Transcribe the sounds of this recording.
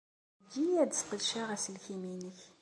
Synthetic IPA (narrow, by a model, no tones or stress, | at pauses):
d͡ʒiæd̪sqəlʃaʁæsəlçiminəç